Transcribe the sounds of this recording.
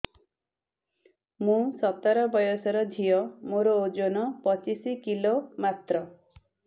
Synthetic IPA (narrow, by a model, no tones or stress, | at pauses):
mũsɔt̪aɾɔbɔjɔsɔɾɔd̪ʱijɔmoɾɔod͡ʒonɔpɔt͡ʃisikilomat̪ɾɔ